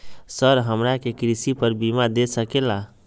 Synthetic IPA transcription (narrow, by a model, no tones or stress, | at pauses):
səɾɦəmɾakekɾisipəɾbimad̪esəkela